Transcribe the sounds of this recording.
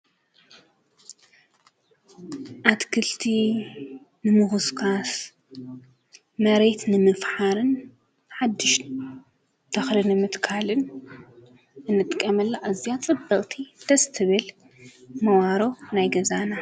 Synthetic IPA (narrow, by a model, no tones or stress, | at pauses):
ʔat̪kʰɨlt̪ʰi | nɨmɨxɨskʰas | mɐɾet̪nɨmɨfħaɾɨn | ħad̪ːɨʃ | t̪ʰɐxlɨnɨmɨt̪kʰalɨn | ʔɨnːɨt̪ʼɨkʼːɐmɐlːaʔazijat͡sʼɨbːɐkʼt̪ʰid̪̥ɐst̪ʰɨβɨl | mɐwaɾo̞najɡɐzana